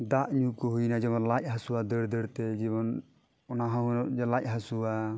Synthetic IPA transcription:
d̪aʔɲuʔkɔɦujnad͡ʒɛbɔnlac̚ɦasuwad̪əɾd̪əɾt̪ɛd͡ʒiβɔn | ɔnaɦãɦunɔd͡ʒɛlac̚ˀɦasuwa

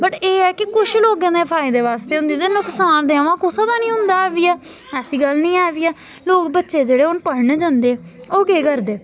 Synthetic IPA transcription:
bəʈeːɛːkɪkʊʃloːkãːd̪eːpʰaːiːd̪eːʋaːst̪eːɦʊ̃nd̪iːt̪eːnʊksaːnd̪eːəʋãːkʊsãːd̪aːnĩːɦʊ̃nd̪aːɛːʋiːɛː | ɛːsiːɡəlnĩːɛːʋiːɛː | loːkbətːʃeːd͡ʒeːɽeːʊnpəɽɳeːd͡ʒãːnd̪eːɛːoːkeːkəɾd̪eː

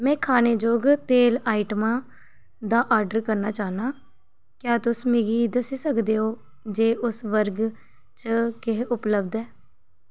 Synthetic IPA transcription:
mɛ̃ːkʰaːneːd͡ʒoːɡt̪eːlaːiʈəmãː | d̪aːʔaːɾɖəɾkəɾnaːt͡ʃaːnaː | kjaːt̪ʊsmɪɡiːd̪əsiːsəkd̪eːɦoː | d͡ʒeːʔʊsʋəɾɡ | t͡ʃəkɪɦʊpləbd̪ɛː

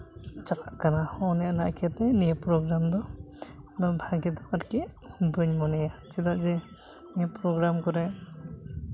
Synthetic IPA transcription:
t͡ʃakaʔkanahɔnɛjanaʔkʰat̪ɛnijapɾɔɡɾamd̪ɔ | d̪ɔbʱaɡɛd̪ɔkaɾkɛ | bɯɲmɔnɛjat͡ʃid̪aʔd͡ʒɛ | nijepɾɔɡɾamkɔɾɛ

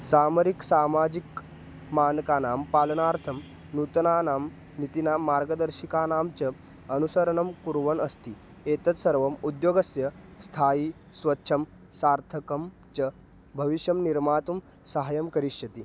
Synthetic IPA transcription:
saːməɾiksaːmaːd͡ʑik | maːnkaːnaːmpaːlənaːɾt̪ʰɐm | nut̪naːnaːm | nit̪inamːaɾɡəd̪əɾɕikanaːmt͡ɕɐ | ɐnusəɾənɐmkuɾʋənɐst̪iː | et̪ɐt͡s̪sɐɾʋɐmud̪joːɡɐsjɐst̪ʰaːjiː | sʋɐtːɕʰɐm | saːɾt̪ʰəkɐm | t͡ɕɐ | bʱɐʋiɕjɐmniɾmaːt̪um | sɐɦajɐmkɐɾiɕjɐt̪i

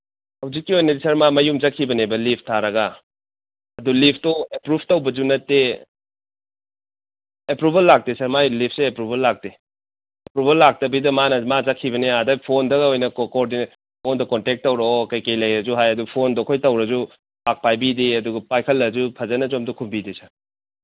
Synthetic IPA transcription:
hɐwzikːiojnɐdisɐɾmamɐjumd͡ʒɐkʰːibɐnebɐlipʰtʰaɾɐɡɐ | ɐdulipʰtɔepɾub̚ʰʱtɐwbɐd͡ʒunɐtːe | epɾubʱɐlːak̚tesɐɾmajlip̚ʰseepɾubʱɐlːak̚te | epɾubʱɐlːak̚tɐbidɐmanɐmazɐkʰːibɐneadajpʰondɐɡɐojnɐkkoɾdin | mondɐkɔntek̚tːɐwɾɐɔkɐjkɐjlɐjɾɐzuɦajɐdupʰondɔkʰojtɐwɾɐzu | pʰak̚pajbideɐduɡɐpajkʰɐlːɐzupʰɐzɐnɐd͡ʒomdɔkʰumbidesaɾ

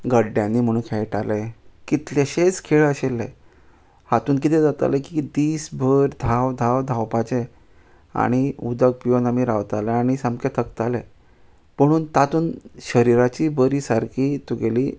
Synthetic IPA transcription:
ɡəɖːjanːiːm̤əɽ̃uːnkʰɛjʈalekit̪leɕet͡skʰeɭəɕelːe | hat̪uːnk̬it̪ʰɛd͡zat̪a̰lekid̪iːsbʱəɾd̪ʱawd̪ʱawd̪ʱawpat͡ɕe | a̰ɽ̃iud̪ək̚pijonamiɾaʋt̪aleaɽ̃isamket̪ʰəkt̪ale | m̤əɽ̃uːnt̪at̪uːnɕəɾiɾat͡ɕiːbəɾiːsaɾkʰiːt̪uɡeliː

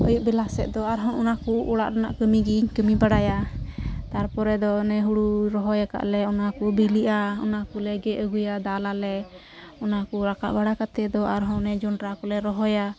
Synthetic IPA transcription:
ə̰juʔ̚bɛlasɛ̰ʔ̪̚d̪ɔaɾɦɔnɔnakuʔːɽa̰ʔɾana̰ʔkəmiɡiɲkəmibaɽaja | t̪aɾpɔɾɛd̪ɔnɛɦuɽuɾɔɦɔjaka̰ʔlɛɔnakubiliʔaɔnakulɛɡɛʔəɡujad̪alalɛ | ɔnakuɾaka̰ʔbaɽakat̪ɛd̪ɔaɾɦɔnnɛd͡ʒɔnɾakɔlɛɾɔɦɔja

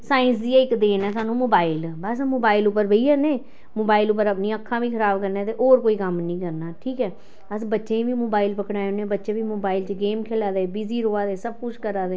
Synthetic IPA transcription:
saːɪnsd̪iːaːɪkd̪eːnɛːsaːnũːmoːbaːilbəsmoːbaːilʊpːəɾbəiːɛːneː | moːbaːɪlʊp̬ːəɾəpnĩːəkʰːãːʋiːkʰəɾaːbkəɾneːt̪eːʔoːɾkoːiːkəmnĩːkəɾnaːʈʰiːkɛː | əsbətːʃẽːʋiːmoːbaːilpəkɽaːõnẽːbətːʃeːʋiːmoːbaːilt͡ʃɡeːmkʰeːlaːd̪eːbiːziːɾoːaːd̪eːsəb̚kʊt͡ʃkəɾaːd̪eː

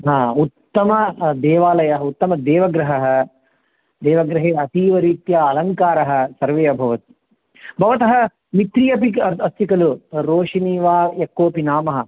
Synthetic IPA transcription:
ɦaːut̪ːɐmɐd̪eːʋaːlɐjɐɦɐut̪ːɐmɐd̪eːʋɐɡɾɐɦɐɦɐ̆ | d̪eːʋɐɡɾɐɦeːɐt̪iːʋɐɾiːt̪jaːɐlɐŋkaːɾɐɦɐ̆sɐɾʋejɐbʱɐʋɐt̪ | bʱɐʋɐt̪ɐɦɐ̆ | mit̪ɾijɐpikɐɐst̪ikɐluɾoːʂiniːʋaːjɐkːoːpinaːmɐɦɐ̆

